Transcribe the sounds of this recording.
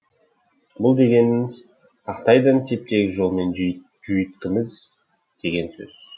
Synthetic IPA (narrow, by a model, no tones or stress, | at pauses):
bʊlˠd̪e̞ɡʲe̞nɪzʰ | ɑqt̪ɑjd̪ɑnsʰe̞p̚t̪e̞ɡʲɪʒo̞lˠme̞n | ʒʏjɪt̪kʲɪmɪz | d̪̥e̞ɡʲe̞nsɵ̰z̥